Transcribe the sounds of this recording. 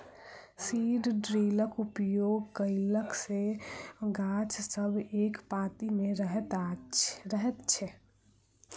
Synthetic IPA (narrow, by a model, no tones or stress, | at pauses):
siɖɖɾiləkupjoɡkəɪləkseɡat͡ʃsəbʱekpat̪imeɾəɦɛt̪aɾəɦɛt̪t͡ʃʰɛ